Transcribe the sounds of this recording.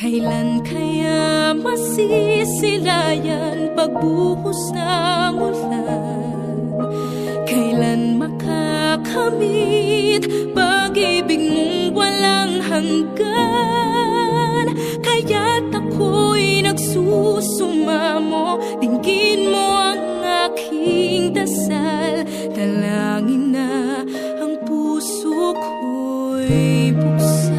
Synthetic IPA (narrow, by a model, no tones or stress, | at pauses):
kɐjlankʰɐjamɐsisɪlaja | npɐɡ̚buhʊsnɐmʊla | n | kɐjlanmɐkʰakʰɐmit̪̚baɡibɪɡ̚nʊŋwɐlaŋhɐŋɡa | n | kɐjat̪ɐkʰojnɐɡsusʊmamo | d̪ɪŋɡinmoɐŋ | akʰiŋd̪ɐsal | d̪ɐlaŋɪna | ɐŋpusok | o | jpus